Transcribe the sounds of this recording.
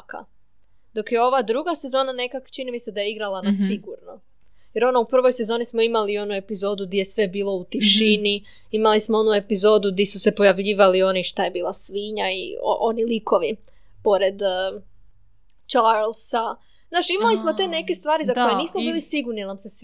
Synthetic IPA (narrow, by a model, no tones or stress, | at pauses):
ka̰ | d̪o̞kjeo̞ʋad̪ɾuɡase̞zo̞ːnane̞kakt͡ʃinimise̞d̪ajeiɡɾalˠanasiɡuɾno | jeɾo̞noupr̩ʋo̞jse̞zo̞ːnismo̞imalio̞nue̞pizo̞ːd̪uɡd̪ʲjesʋe̞biːlˠo̞ut̪iʃini | imalismoonue̞pizo̞ːd̪uɡd̪esuse̞po̞jaʋʎiːʋalio̞niʃt̪aje̞biːlˠasʋiːɲaḭʔo̞nilikʰo̞ʋi | po̞ɾe̞d̪ | t͡ʃalˠsa | znaːʃimalismo̞t̪e̞ne̞kest̪ʋaːɾizakoojeniːsmobiːlisiɡuɾninamses